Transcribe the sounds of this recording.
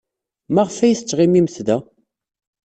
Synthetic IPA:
mæʁəfæjəθt͡sːʁimiməθðæ

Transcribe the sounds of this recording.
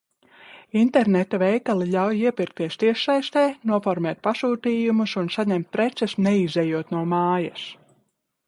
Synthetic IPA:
int̪ɛɾnɛt̪avɛjkalˠilʲawjiɛpiɾk̚t̪iɛst̪iɛʃsajst̪ɛːnuɔfɔɾmɛːt̪̚pasuːt̪iːjumusunsaɲɛmt̪̚pɾɛt̪sɛsnɛizɛjuɔt̪nuɔmaːjɐs

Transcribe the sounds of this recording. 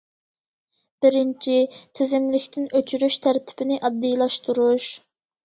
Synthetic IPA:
b̥ɪɾɪnt͡ʃʰit̪ʰɪzɪmlɪkʲt̪ʰɪnøt͡ʃʰyɾyʃt̪ʰæɾt̪ʰɪ̥b̥ɪnɪʔɑd̪ːijlˠɑʃt̪uɾuʃ

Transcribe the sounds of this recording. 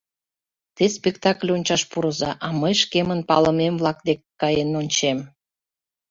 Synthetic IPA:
t̪espʲekt̪ɑklʲonʲt͡ɕɑʃpuɾəzɑʔɑməjʃkemənpɑ̰ləmemvlɑk̚d̪ekːɑjenonʲt͡ɕem

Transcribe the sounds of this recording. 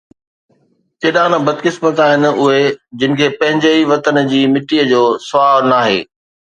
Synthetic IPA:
t͡ɕeːɗãːnbɐd̪kɪsmət̪aːɦɪn̆ʊɦed͡ʑɪnɪ̆kʰeːpɐ̃ɦɪ̃ɲd͡ʑeiʋɐt̪ənd͡ʑiːmɪʈiːəd͡ʑoːsʊaːɾnaːɦḛː

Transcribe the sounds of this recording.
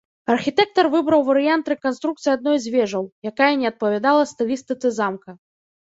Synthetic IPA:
ɐrxʲit̪ɛk̚t̪ɐrvɨbɾɐwvɐɾɨjant̪ɾɛkanst̪ɾukt̪sɨjad̪nɔjzʲvʲɛʐɐwjakajɐnʲɛɐt̪̚pɐvʲad̪alˠɐst̪ɨlʲist̪ɨt̪sɨzamkɐ

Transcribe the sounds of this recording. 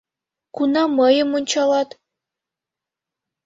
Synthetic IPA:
kunɑməjə̆munʲt͡ɕɑlˠɑt̪

